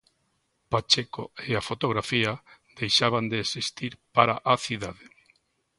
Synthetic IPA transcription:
pat͡ʃeko̰eafot̪oɣɾafia | d̪ejʃaβand̪eːsist̪iɾpaɾaʔaθiðaðe

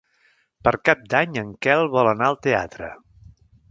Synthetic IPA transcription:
pəɾkap̚d̪aɲəŋkɛlˠβɔlənaəlˠt̪ea̰t̪ɾə̰

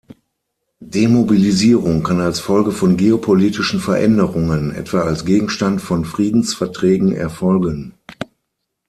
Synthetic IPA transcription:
demobiliziːʁʊŋkʰanalsfɔlɡəfɔnɡeopʰoliːtɪʃn̩fɛɐʔɛndəʁʊŋənʔɛ̰tv̥aalsɡ̥eːɡŋ̩ʃtantfɔnfʁ̥iːdn̩sfɛɐtʁ̥ɛːɡŋ̩ʔɛ̰ɐfɔlɡən

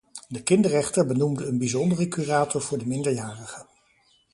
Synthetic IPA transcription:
dəkɪndərɛχtəɹbənumdəːnbizɔndərəkyraːtɔɹv̥ʊːɹdəmɪndəɹjaːrəχə

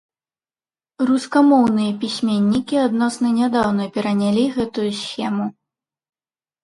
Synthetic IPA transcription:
ruskamɔwnɨjɐpʲisʲmʲenʲːikʲiad̪nɔsnɐnʲad̪awn̪ɐpʲɛɾɐnʲalʲiɣɛt̪ujusʲxʲɛmu

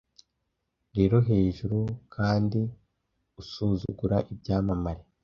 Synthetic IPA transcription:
ɾe̞ːɾo̞ɦe̞ːʒuɾukʰaːndi | usuːzuɡuɾaʔibjaːmamaɾe

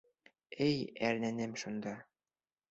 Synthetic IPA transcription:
ɘjæɾnænɘmʃund̪ɑ

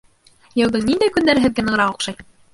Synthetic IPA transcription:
jɤ̆wðɤɴnind̪æjkɵ̆nd̪æɾɘ̆ɦɘ̆ðɡænɤ̆ʁɤɾɑqŏqʃɑj

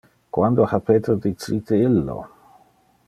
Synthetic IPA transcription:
kwand̪ohapet̪ɾod̪it͡sit̪eilːo̰

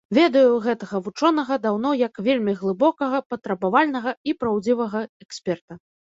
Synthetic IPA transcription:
vʲɛd̪ɐjuɣɛt̪ɐɣɐvut͡ʂɔnɐɣɐd̪awnɔjɐkvʲelʲmʲiɣlˠɨbɔkɐɣɐpɐt̪ɾɐbavalʲnɐɣɐipɾawd͡zʲivɐɣɐɛksʲpʲɛrt̪ɐ

